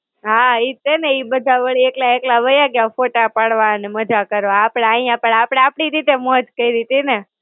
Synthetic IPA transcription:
ɦait̪eneibəd̪ʱabəɭieklaeklaʋəjakafoʈapaɽʋaneməd͡ʒakəɾʋoapɽ̃aəjãpəɳapɽ̃aapɽ̃iɾit̪emɔd͡ʒkəiɾit̪ine

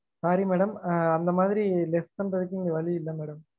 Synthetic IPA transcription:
saːɾimeːɽɐmɐnd̪ɐmaːðɪɾilɛstɐmʈɐðɯkːɯɪnɐʋɐɭiɪlːɐmeːɽɐm

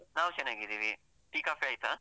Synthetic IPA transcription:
naːʋt͡ʃɐnaːɡid̪iʋi | ʈiːkaːpʰiaːjt̪a

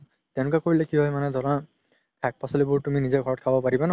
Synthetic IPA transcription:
t̪jɛnũkakoɹilakiɦɔjmanɛd̪ɔɹã | pʰak̚pasɔlibuɹtuminizeɡʱɔɹɔt̚kʰabɔpaɹibanɔ

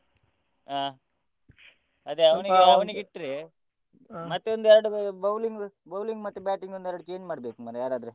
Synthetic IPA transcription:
aː | ɐd̪eɐʋɐniɡeɐʋɐniɡiʈːɾe | mɐt̪ːeond̪ɛɾɐɽubɐwliŋɡ | bɐwliŋɡmɐt̪ːubaːʈiŋɡond̪ɛɾɐɽut͡ʃeːɲd͡ʒmaːɽbe̞ːkumɐnjaːɾaːd̪ɾu

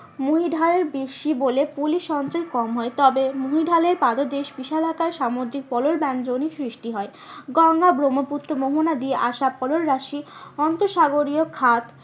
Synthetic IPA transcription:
muɦiɖʱaleɾbeʃibolepuliʃɔnt͡ɕɔekɔmɦɔet̪ɔbemuɦiɖʱaleɾpad̪od̪eʃbiʃalakaɾʃamod̪ɾik̚pɔloɾband͡ʑonisɾiʃʈiɦɔe | ɡɔŋːabɾomoput̪ːɾomoɦonad̪ieʔaʃapɔloɾːaʃiɔnt̪oʃaɡoɾiokʰat̪

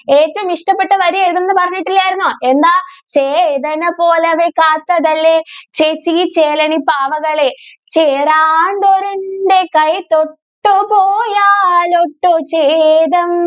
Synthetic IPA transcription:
e̞ːtːɐʋumiʂʈɐpːeʈːɨʋɐɾueɭt̪ːɐnːɨpɐrɐɲːiʈːilːɐjaːjiɾunːoːʔe̞nd̪aːt͡ɕejðɐnɐpo̞ːleɐʋekaːt̪ːɐðɐlːet͡ɕet͡ɕːit͡ɕeːlɐɳipaːʋɐɣɐɭet͡ɕeːraːɳɖo̞ɾunɖe̞kɐjt̪oʈːupoːjaːloʈːut͡ɕejðɐm

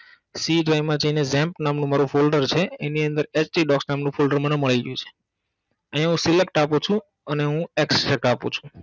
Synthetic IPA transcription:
siɖʋajmãd͡ʒəinezɛ̃mpnamnũmaɾũfolɖəɾt͡ʃʰeeniənd̪əɾet͡ʃʈiɖɔksnamnũfolɖəɾməneməɭiɡjũt͡ʃʰe̥ | əɦjãɦũsɪlek̚ʈapũt͡ʃʰũ | əneɦũeksʈɛk̚ʈapṵ̃t͡ʃʰũ̥

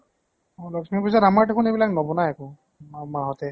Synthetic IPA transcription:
ɔlɔksmipuzatamaɹdekʰunebilaknɔbɔnajakɔ | mamaɦɔtɛ

